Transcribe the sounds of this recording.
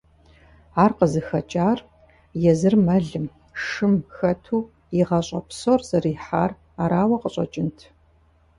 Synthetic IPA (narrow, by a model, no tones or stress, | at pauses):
aːrqəzɨxɐt͡ʃʼaːr | jɛzɨrmɐɮɨm | ʂɨmxɐtʰuː | iʁɐɕʼɐ̰psorz̥ɐriːħaːr | aːɾaːwɐqəɕʼɐ̰t͡ʃʼɪntʰ